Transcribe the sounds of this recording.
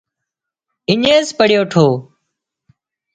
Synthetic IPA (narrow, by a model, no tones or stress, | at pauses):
ɪɲeːspəɽjoːʈʰoː